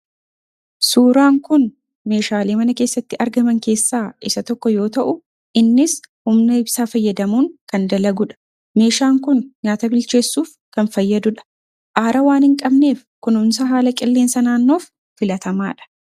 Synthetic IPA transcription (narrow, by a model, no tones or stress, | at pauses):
suːɾaːŋkʊn | me̞ːʃaːleːmɐnɐke̞ːsːɐt̪ːɪɐɾɡɐmɐŋke̞ːsːaːʔɪsɐt̪ɔkːɔjo̞ːt̪ɐʔʊ | ʔɪnːɪshʊmnɐhɪbsaːfɐjːɐd̪ɐmuːŋkɐnd̪ɐlɐɡʊᶑɐ̥ | me̞ːʃaːŋkʊnɲaːt̪ɐbɪlt͡ʃe̞ːsːuːf | kɐnfɐjːɐd̪ʊᶑɐ̥ | ʔaːɾʔɐwaːnhɪŋkʼɐbne̞ːfkʊnʊnsɐɦaːlɐkʼɪlːe̞ːnsɐnaːnːo̞ːfː | ɪlɐt̪ɐma̰ːᶑɐ̥